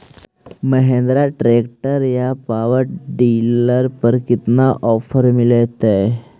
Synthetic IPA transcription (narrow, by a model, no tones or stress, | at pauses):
məɦẽnd̪ɾaʈɾekʈəɾjapaʋəɾɖiləɾpəɾkit̪naʔɔfəɾmilet̪e